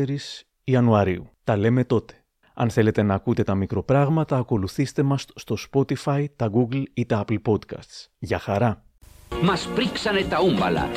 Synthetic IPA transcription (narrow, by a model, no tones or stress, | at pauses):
eɾis | iɐnuɐɾiut̪ɐle̞me̞t̪o̞t̪e̞̥ | ɐ̰nθe̞le̞t̪e̞nɐːkut̪e̞t̪ɐmikɾo̞pɾɐɣmɐt̪ɐːko̞luθist̪e̞mɐsːt̪o̞spo̞t̪ifɐjt̪ɐɡuɡlit̪ɐɐplpo̞t̪kɐ̰st̪sʝɐxɐɾɐ | mɐspɾiksɐnet̪ɐumbɐ̰lɐ̰